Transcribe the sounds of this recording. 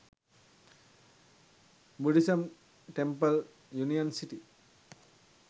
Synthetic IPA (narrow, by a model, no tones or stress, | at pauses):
buɖisɐm | ʈempɐl | junijɐnsiʈi